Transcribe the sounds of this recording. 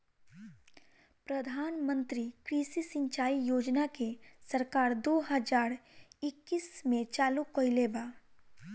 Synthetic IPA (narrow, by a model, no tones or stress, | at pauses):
pɾɐd̪ʱaːnmə̃nt̪ɾikɾisisɪ̃ɲt͡ʃaːijoːd͡ʒnakesɐɾkaːɾd̪oːɦəd͡ʒaːɾɪkːiːsmẽt͡ʃaːlukojlebaː